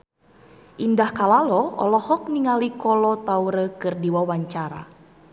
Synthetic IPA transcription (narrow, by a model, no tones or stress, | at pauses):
ʔindahkalalɔɔ̰lɔhɔk̚niŋalikɔlɔt̪auɾəkɨrdiwawaɲt͡ʃaɾa̰